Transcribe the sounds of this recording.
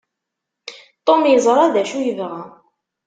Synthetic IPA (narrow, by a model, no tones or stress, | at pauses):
t̪ˤomjəzˤɾˤaðæʃujəvʁæ